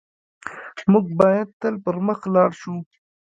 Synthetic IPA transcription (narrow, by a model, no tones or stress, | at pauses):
mʊɡ̚bɑːjad̪̚t̪əlpəɾməxlɑːɽʃu